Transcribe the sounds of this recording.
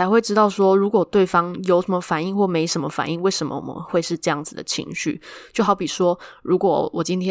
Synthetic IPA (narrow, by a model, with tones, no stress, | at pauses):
a˧˥ɪxwe˥˩ɪʈ͡ʂɻ̩˥t̪ɑ˥˩ʊʂwɔ˥ɻu˧˥kwɔ˨˩t̪we˥˩ɪfɑ˥ŋjo˧˥ʊʂə˧˦mə˧˦fa˨˩ni˥˧ŋxwɔ˥˩me˧˥ɪʂə˧˥nmə˧fa̰˨˩ni˥˧ŋwe˥˩ɪʂə˧˥mə̰˧wɔ̰˨˩mə̰˦nxwe˥˧ɪʂɻ̩˥˧ʈ͡ʂɤ˥˧jɑ˥˩ŋd͡zɹ̩˨˩d̪ə̰˩t͡ɕʰḭ˧˥ŋɕy̰˥˨˩t͡ɕjo˥˩ʊxɑ˧˥ʊpi˨˩ʂwɔ˥ɻu˧˥kwɔ̰˨˩wɔ˨˩t͡ɕi˦nt̪ʰjɛ˥